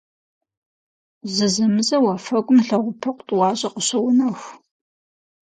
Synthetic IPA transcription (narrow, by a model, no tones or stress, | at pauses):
zɨzɐmɨzɐwɐfɐɡʷʼʊmɬɐʁʷʊpʰɐqʷʼtʼwɑːɕʼɐqəɕɐwnɐxʷ